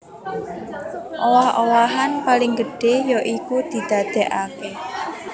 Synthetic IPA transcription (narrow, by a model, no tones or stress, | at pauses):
ʔowahowaɦanpalɪŋɡəɖ̥ejɔʔikud̪̥i̤d̪̥a̤d̪̥ɛʔake